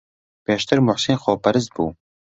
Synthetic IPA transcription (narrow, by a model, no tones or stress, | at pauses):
peːʃt̪ʰɨɾmʊħsinχoːpɐɾɨzt̪̚bṵː